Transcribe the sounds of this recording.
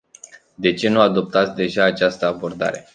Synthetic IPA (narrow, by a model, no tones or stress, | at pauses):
d̪e̞t͡ʃe̞nuad̪o̞p̚t̪at̪sʲd̪e̞ʒaːt͡ʃast̪əabo̞rd̪a̰ɾe̞̰